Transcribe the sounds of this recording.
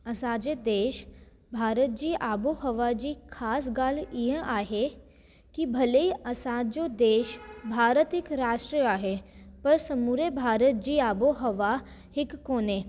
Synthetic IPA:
ɐsaːd͡ʒed̪eːʃ | bʱaːɾət̪̚d͡ʒiːʔaːboɦəʋad͡ʒiːkʰaːs̬ɡaːlɪɦaːɦe | kibʱɐleiɐsaːd͡ʒod̪eːʃbʱaːɾət̪ɪkɾaːʃʈɾiaːɦeːpɐɾsɐmuːɾebʱaːɾət̪̚d͡ʒiːaːboɦəʋa | hɪkːoːneː

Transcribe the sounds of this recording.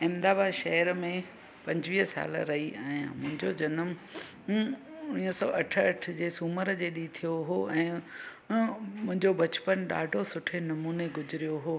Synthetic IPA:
ɪ̃md̪aːbaʃɐɦəɾmẽ | pɐ̃ɲd͡ʑʋiːɦəsa̰ːl̰ɾɐɦiɛ̰̃ːmʊ̃ɦɪ̃ɲd͡ʑod͡ʑɐnəm | ʊnĩəsɔ̰ːʔɐʈʰəɐʈʰd͡ʑeːsuːməɾd͡ʑeːɗit̪ʰijoɦoɛ̃ː | mʊ̃ɦɪ̃ɲd͡ʑobɐt͡ɕpənɗa̰ːɖʱosʊʈʰenɐmuːneɡʊzɪɾijoɦoː

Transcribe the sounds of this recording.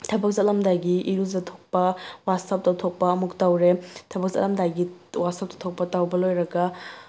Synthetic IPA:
tʰɐbɐk̚zɐt̚lɐmdajɡiʔiɾuzɐtʰok̚pɐwatsɐp̚tɐwtʰok̚pɐːmuk̚tawɾetʰɐbɐk̚zɐ̰tlɐmdajɡiwat̚sɐp̚tɐtʰok̚pɐtawbɐlojɾɐɡɐ

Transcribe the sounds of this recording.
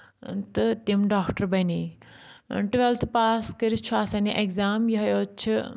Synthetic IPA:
t̪ɐt̪imɖaːkʈəɾbɐniː | ʈʋelt̪ʰpaːskɐɾit͡ʃʰuasãːniʔekzaːmjiɦɐjoːt͡ʃʰi

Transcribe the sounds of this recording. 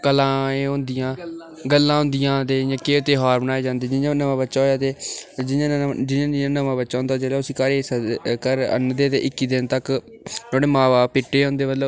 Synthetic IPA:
kəlãːẽːɦõːnd̪ɪjãː | ɡəlːãːɦʊ̃ːnd̪ɪjãːd̪eːjãːkeːʊt̪eːɦaːɾbənaːeːd͡ʒãːnd̪eːd͡ʒɪãːnəʋãːbətːʃaːɦoːjaːt̪eːd͡ʒɪãːd͡ʒɪãːd͡ʒɪãːnəʋãːbətːʃãːnd̪ad͡ʒeːlaːʊsĩːkəɾeːsəkəɾə̰nd̪eːt̪ḛːʔɪkːiːd̪ɪnt̪ək | t̪oːɽeːmãːʋaːpɪʈːeːõːnd̪eːmət̪lə

